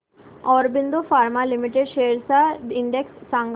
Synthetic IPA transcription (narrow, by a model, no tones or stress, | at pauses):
ɔːɾbind̪ofaːɾmalimiʈeɖʃeːɾsaɪɳɖeksːãŋɡ